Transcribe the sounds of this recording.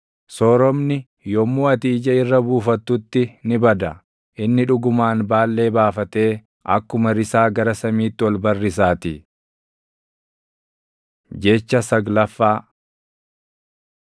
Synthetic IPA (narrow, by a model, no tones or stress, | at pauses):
sɔːɾɔmnɪ | jɔmːuːɐt̪iːd͡ʒɐɪrːɐbuːfɐt̪ːʊt̪ːɪnɪbɐd̪ɐ | ʔɪnːɪᶑʊɡʊmaːnbaːlːe̞ːbaːfɐt̪e̞ː | ʔɐ̰kːʊmɐɾɪsaːɡɐɾɐsɐmiːt̪ːɪwɔlbɐrːɪsaːt̪ɪ | d͡ʒɛet͡ʃːɐsɐɡlɐfːaː